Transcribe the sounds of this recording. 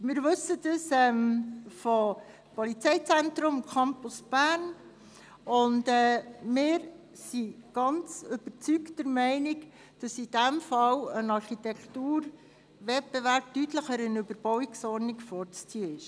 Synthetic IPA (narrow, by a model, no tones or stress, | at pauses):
mɪːɾʋɵsːədəsɛmfɔ | pɔlit͡sɛɪt͡sɛntɾʊmkʰɑmpʊsb̥æːɾn | ʊndɛːmɪːɾ | siɡ̥ɑnt͡sʏb̥ət͡syktəɾmɛɪnik | d̥ɑsid̥æmfɑwənɑrχitɛktuːɾ | ʋɛb̥ɛʋæɾp̚tytləχəɾənøbəɾb̥ɔwiksɔɾnɪkfɔːɾt͡st͡siəɪʃ